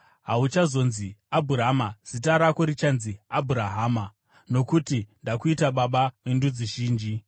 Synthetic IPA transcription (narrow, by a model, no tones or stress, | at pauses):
ɦaut͡ʃazo̞nziabʱuɾamaz̥itaɾakoɾit͡ʃanziabʱuɾaɦaːma | no̞kutindakuitaɓaɓamendud͡ziʒiːnd͡ʒi